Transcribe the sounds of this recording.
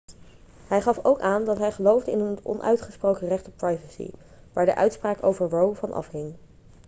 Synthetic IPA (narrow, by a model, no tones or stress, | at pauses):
ɦɛjχɑfowkaːndɑtɦɛjχəlowvdəɪnənɔ̰nʔœ̰ɥtχəsprowkərɛχtɔp̚pɹɑjvəsḭ | ʋaːɹdə̰ʔœɥtspraːko̰wvəɹʋowvɑnʔɑ̰fɦɪŋ